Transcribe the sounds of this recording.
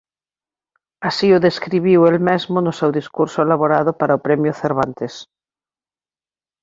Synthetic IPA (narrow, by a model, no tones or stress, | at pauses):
asioðeskɾiβ̞iwelmezmonosewðiskuɾsoelaβoɾaðʊpaɾaopɾemjʊθeɾβ̞ant̪es